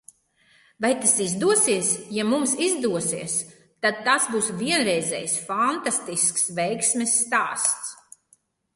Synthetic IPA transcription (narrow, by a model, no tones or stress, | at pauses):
vajt̪asizd̪uɔsiɛsjamumsizd̪uɔsiɛs | t̪ad̪̚t̪asbuːsviɛnɾɛjzɛ̰jsfant̪ast̪isksvɛjksmʲɛsːt̪aːst̪s